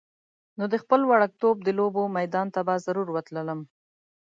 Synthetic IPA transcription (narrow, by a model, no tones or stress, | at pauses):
nod̪əxpəlwaɽak̚t̪ob̚d̪əlobomajd̪ɑnt̪abazaɾuɾwət̪lələm